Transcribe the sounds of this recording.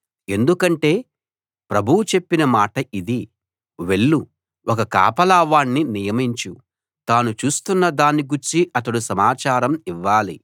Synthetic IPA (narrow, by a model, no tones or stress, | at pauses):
e̞nd̪ukɐɳʈe̞ː | pɾɐbʱuwut͡ʃe̞pːinɐmaːʈɐid̪i | ʋe̞ɭːu | ʔɔkɐka̰ːpɐlaːʋaːɳːinijɐmiɲt͡ʃu | t̪aːnut͡ʃuːst̪unːɐd̪aːniɡuɾt͡ʃiʔɐt̪ɐɽusɐmaːt͡ʃaːɾɐmiʋːaːli